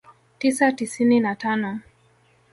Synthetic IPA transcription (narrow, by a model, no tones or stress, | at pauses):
tisatisininatanɔ